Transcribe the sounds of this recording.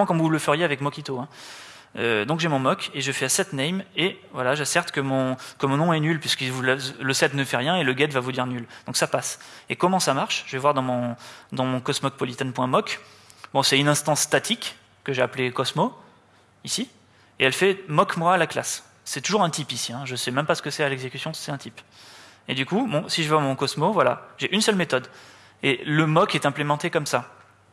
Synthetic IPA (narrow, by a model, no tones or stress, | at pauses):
ɑ̃kɔɑmvuləfəʁjeavɛkmɔkʲit̪oɛ̃ | ød̪ɔ̃kʒɛmɔ̃mɔkʰeʒəfɛasɛt̪nɛjmevwalaʒasɛʁt̪kəmɔ̃kəmɔ̃nɔ̃ɛnylpɥiskivulɛsləsɛt̪nəfɛʁjɛ̃eləɡɛt̪vavud̪iʁnyld̪̥ɔ̃ksapasekɔmɑ̃samaʁʃʒəvɛvwaʁd̪ɑ̃mɔ̃d̪ɑ̃mɔ̃kɔsmɔk̚pɔlit̪ɛnpwɛ̃mɔk | bɔ̃sɛynɛ̃st̪ɑ̃sːt̪at̪ʰikː | əʒeaplekɔsmo | isi | eɛlfɛmɔkmwaːlaklasː | ɛt̪uʒuʁɛ̃t̪ipisiɛ̃ʒəsɛmɛmpasə̥kəsɛalɛɡzekʲy̥sjɔ̃sɛt̪ɛ̃t̪ip | ed̪ykubɔ̃siʒəvwamɔ̃kɔsmovwalaʒeʔynsœlmet̪ɔd̪ | ḛləmɔkɛt̪ɛ̃plemɑ̃t̪ekɔmsa